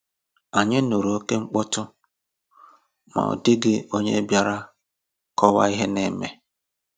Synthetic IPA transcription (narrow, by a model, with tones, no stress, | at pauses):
a˨ɲɪ˦nu˨ɾu˨o˦ke˦ŋ͡m̩˦k͡pɔ˦tʊ˦ | ma̰˨ɔ̰˨dɪ˦ɡɪ˦o˦ɲḛ˦bja˦ɾa˦ | kɔ˦wa̰˦i˦ɦe˦ne˨me˨